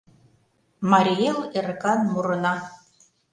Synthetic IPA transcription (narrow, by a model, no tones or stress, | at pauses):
mɑɾʲieleɾkɑnmuɾɤ̆nɑ